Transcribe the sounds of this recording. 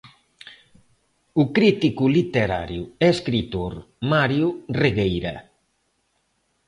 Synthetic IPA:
ʊkɾit̪ikʊlit̪eɾa̰ɾjʊɛskɾit̪oɾ | maɾjʊreɣejɾɐ̰

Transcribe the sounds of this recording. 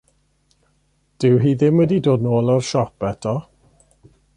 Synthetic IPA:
d̥ɪwɦiːðɪmwɛdidoːdnoːlˠɔrʃɔpɛtʰɔ

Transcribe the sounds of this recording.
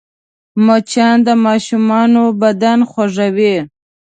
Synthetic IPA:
mot͡ʃɑnd̪əmɑʃumɑnobad̪anxwaʐawi

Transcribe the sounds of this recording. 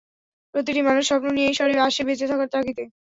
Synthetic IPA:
pɾot̪̬iʈimanuʃʃɔpnonijejʃɔɾeaʃebet͡ɕet̪ʰakaɾt̪akit̪e

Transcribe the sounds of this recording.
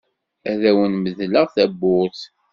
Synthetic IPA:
æðæwənməðləʁθæbːʊθ

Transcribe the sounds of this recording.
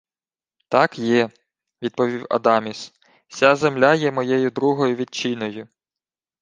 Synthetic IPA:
t̪ɑkjɛ | ʋʲid̪̚pɔʋʲiwɐ̰d̪ɑmʲis | sʲazemlʲajɛmɔjɛjʊd̪ɾuɦɔjʊʋʲid̪̚t͡ʃinɔjʊ

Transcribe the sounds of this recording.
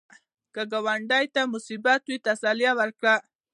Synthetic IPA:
kəɡawaɳɖɑjt̪amʊsibat̪̚d̪it̪asalijawəɾkɽa

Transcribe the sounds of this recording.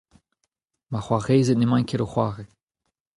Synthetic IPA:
maχwaʁeːzɛt̪̚nemãnkʰeɾoχwaːʁe

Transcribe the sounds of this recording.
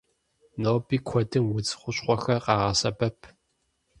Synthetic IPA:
noːbiːkʷʰɔdɨmwʊd͡zɨ̥χʷʊɕχʷɔxɐrqɑːʁɐsɐbɐpʰ

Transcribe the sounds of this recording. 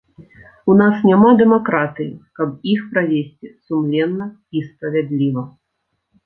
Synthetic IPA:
unasnʲamad̪ɛmakɾat̪ɨjḭkɐb̚ixpɾavʲesʲt͡sʲisumlʲɛnːɐ | ispɾɐvʲad̪lʲivɐ

